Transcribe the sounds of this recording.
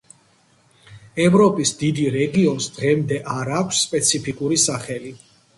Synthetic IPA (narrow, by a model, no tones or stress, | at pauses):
ɛvɾɔpʼisd̪id̪iɾɛɡiɔnsd̪ʁɛmd̪ɛʔaɾaːkʰʷsːpʼɛt̪sʰipʰikʼuɾisaχɛli